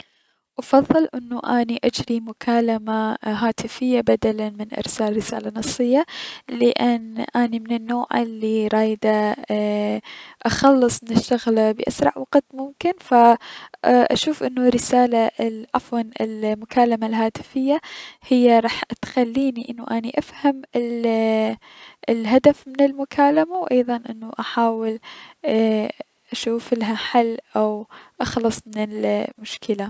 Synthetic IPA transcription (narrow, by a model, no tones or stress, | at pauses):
ʔɑfɑðˤːɨlʔɪnːuʔaniʔad͡ʒɾimʊkʰaːlamaɦaːt̪ɪfɪjːabad̪alanmɪnʔɪ̰ɾsaːlɾɪsaːlanɑsˤːɨjːalɪʔɪnʔaːnimɪnɪnːoːʕɪlːiɾˤɑːjd̪a | ʔɑxɑlːɨsˤmɪnɪʃːaɣlabɪʔasɾˤɑ̰ʕwɑɡt̪mʊmkɪnfa | ʔa̰ʃuːfʔɪnːurːɪsaːlaʔafwɑnɪ̰lmʊkaːlamalɦaːt̪ɪ̥fɪjːahɪjːaɾˤɑːħt̪xalːiːniʔɪnːuʔaniʔafhamɪl | ɪlɦad̪afmɪnɪlmʊkʰaːlamawʔɑjðˤɑnʔɪnːuʔaħaːwɪl | ʔaʃuːfɪlɦaħalːʔawʔɑxlɨsˤmɪnɪlmʊʃkɪla